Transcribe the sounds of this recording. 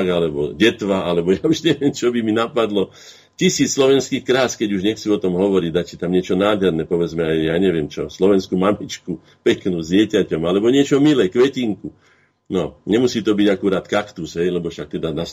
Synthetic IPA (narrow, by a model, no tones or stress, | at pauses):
ɡalɛbɔ̰ɟɛt̪ʋaʔalɛbɔjauʒɲɛʋɪjɛmt͡ʃɔbiminapad̪lɔ | cisiːt͡sslɔʋɛnskiːxkɾaːskɛɟuʒɲɛxt͡suɔt̪ɔmɦɔʋɔɾiɟd̪at͡ʃit̪amɲɪɛt͡ʃɔnaːd̪ɦɛɾnɛːpɔʋɛd͡zmɛajjaːɲɛʋɪɛmt͡ʃɔslɔʋɛnskuːmamit͡ʃku | pɛknuːzɪɛcacɔmalɛbɔɲɪɛt͡ʃɔmilɛːkʋɛciŋku | nɔɲɛmusiːt̪ɔbiɟakuɾaːt̪kakt̪uzɦɛjlɛbɔfʃak̚t̪ɛd̪anas